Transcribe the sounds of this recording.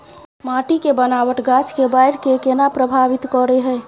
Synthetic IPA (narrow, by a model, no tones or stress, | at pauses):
maʈikebənawəʈɡat͡ʃkebaɪɽkekenapɾəbʱaʋit̪kɔɾeɦɛː